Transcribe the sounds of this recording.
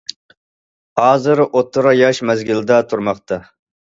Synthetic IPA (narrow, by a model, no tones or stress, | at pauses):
hɑːzɨɾʔot̪ʰːʊɾɑjɑʃmɛzɡʲɪld̪ɛt̪ʰuɾmɑqt̪ʰɑ